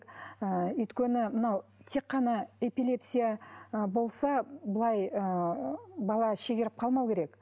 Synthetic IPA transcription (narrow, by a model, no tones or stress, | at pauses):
əʏjt̪kʲenɪmənɑwt̪ʰe̞qːɑnɑe̞pilʲe̞psʲijabo̞lˠsɑbəlˠɑjə | bɑlˠɑʃeɡʲeɾɪp̚qʰɑlˠmɑwkʲʰe̞ɾe̞k